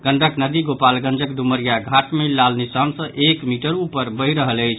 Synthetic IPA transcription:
ɡ̥əɳɖəknəd̪iɡopalɡə̃nd͡ʒəkɖuməɾijaɡʱaʈmelːalnisansə̃ʔekmiʈəɾupəɾbəjɾəɦələjt͡ʃʰ

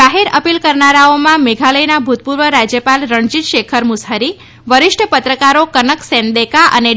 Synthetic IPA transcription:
aɦeɾəpilkəɾnaɾaomãmeɡʱaləjnabʱut̪̚puɾʋəɾad͡ʒjəpalɾəɳd͡ʒit̪ʃekʰəɾmʊsɦaɾi | ʋəɾɪʃʈʰəpət̪ɾəkaɾokənəksɛ̃nd̪ekaʔə̰ne

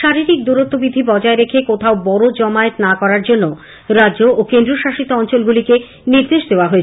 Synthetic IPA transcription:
ʃaɾiɾik̚d̪uɾot̪ːobid̪ʱːibɔd͡ʑaeɾekʰekot̪ʰaobɔɾod͡ʑɔmaet̪nakɔɾaɾd͡ʑonːo | ɾaʑoʔːkend̪ɾoʃaʃit̪oɔnt͡ɕolɡulike | niɾd̪eʃd̪eoaɦoet͡ɕʰ

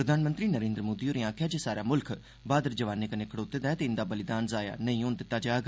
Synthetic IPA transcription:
ɾəd̪ʱaːnmə̃nt̪ɾiːnəɾẽːnd̪ɾəmoːd̪iːoːɾĩãːkʰjaːd͡ʒeːsaːɾaːmʊlkʰ | baːd̪əɾd͡ʒəʋaːneːkəneːkʰəɽoːt̪ːeːd̪aɛːt̪eːɪnd̪aːbəlɪd̪aːnzaːja̰ːnəĩːoːnd̪ɪt̪ːaːd͡ʒaːɡ

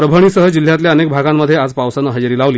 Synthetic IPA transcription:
ɾəbʱəɽ̃iːsəɦəd͡ʑil̤jat̪ljaənek̚bʱaɡamːəd̪ʱːjead͡zpaʋsanəɦəd͡ʑəɾiːlaʋliː

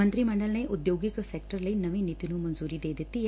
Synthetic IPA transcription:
ənt̪ɾimɐɳɖəlneʔud̪joːɡiksekʈəɾlɐinɐʋinit̪inumɐnzuːɾid̪eːd̪it̪i

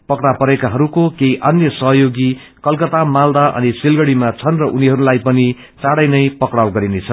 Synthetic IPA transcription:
pʌkɽapʌɾekaɦʌɾukokeiʔʌnjʌsʌɦʌjoɡi | kʌlkʌt̪amald̪aʔʌ̰nisilɡʌɽimat͡sʰʌnrʌʔuniɦʌɾulajpʌni | t͡saɽʌjnʌjpʌkɽawɡʌɾinet͡sʰʌ

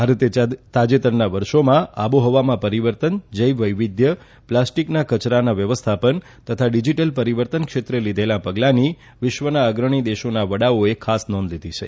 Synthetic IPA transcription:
bʱaɾət̪et̪ad͡ʒet̪əɾnaʋəɾʃomãaboɦɔʋamãpəɾiʋəɾt̪ənd͡ʒəjʋəjʋid̪ʱjə | plasʈiknakət͡ʃɾanaʋjəʋəst̪ʰapən | t̪ət̪ʰaɖid͡ʒiʈəlpəɾiʋəɾt̪ənkʃet̪ɾəlid̪ʱelapəɡlani | ʋɪʃʋənaəɡɾəɳ̃id̪eʃonaʋəɽaoekʰasnɔ̃nd̪lid̪ʱit͡ʃʰḛ

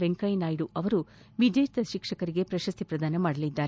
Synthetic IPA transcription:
ʋeŋkɐjnaːjɽuʔɐʋɐɾu | ʋid͡ʒeɾt̪ɐʃikʂɐkɐɾiɡe̞pɾɐʃɐst̪ʰipɾɐd̪aːnɐmaːɽɐlid̪ːaːɾe

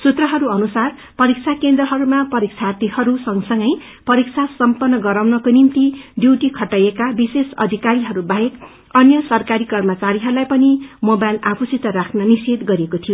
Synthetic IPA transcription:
sut̪rʌɦʌɾuʌnusar | pʌɾik̚t͡sʰakend̪rʌɦʌɾumapʌɾik̚t͡sʰart̪ihʌɾusʌŋsʌŋɡʌj | pʌɾik̚t͡sʰasʌmpʌnːʌɡʌɾawnʌkonimt̪iɖjiwʈikʰʌʈajekabisesʌ̰d̪ʱikaɾiɦʌɾubaɦek | ʌnjʌsʌrkaɾikʌrmʌt͡saɾiɦʌɾulajpʌnimobajlapʰusit̪ʌrakʰnʌnised̪ɡʌɾiekot̪ʰijo

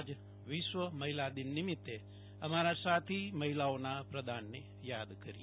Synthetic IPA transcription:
d͡ʒ | ʋiʃʋɐmɐɦilaːd̪innimit̪ːe | ɐmaːɾasaːt̪ʰimɐɦilaːʋnaːpɾɐd̪ʱaːnːe | jaːd̪kɐɾi

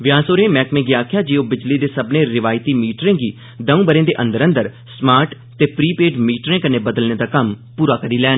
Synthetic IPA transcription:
ʋɪjaːsoːɾẽːmɛ̃ːkmẽːɡiaːkʰjaːd͡ʒiːoːbɪd͡ʒliːd̪eːsəbnẽːɾɪʋaːɪt̪iːmiːʈɾẽːɡiː | d̪əũːbəɾẽːd̪eːʔənd̪əɾə̃nd̪əɾ | smaːɾʈ | t̪eːpɾiːpeːʈmiːʈɾẽːkəneːbəd̪əlneːd̪aːkəmpuːɾaːkəɾiːlɛːn

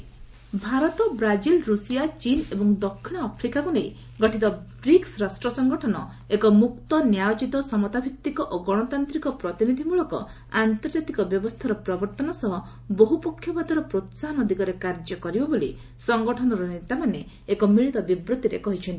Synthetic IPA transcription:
bʱaɾɔt̪ɔbɾad͡ʒilɾusijat͡ʃinebɔŋd̪ɔkʰːiɽ̃ɔapʰɾikakunej | ɡɔʈʰit̪ɔbɾiksɾasʈɾɔsɔŋɡɔʈʰɔnɔ | ekɔmukt̪ɔnjajot͡ʃit̪ɔsɔmɔt̪abʱit̪ːikɔʔoɡɔɽ̃ɔt̪ant̪ɾikɔpɾɔt̪inid̪ʱimuɭɔkɔ̰ | ant̪ɔɾd͡ʒat̪ikɔbjɔbɔst̪ʰaɾɔpɾɔbɔɾt̪ɔnɔsɔɦɔ | boɦupɔkʰːjɔbad̪ɔɾɔpɾot̪saɦɔnɔd̪iɡɔɾekaɾd͡ʒɔkɔɾibɔbolḭ | sɔŋɡɔʈʰɔnɔɾɔnet̪amaneː | kɔmiɭit̪ɔbibɾut̪iɾḛkɔɦit͡ʃʰɔnt̪i̥

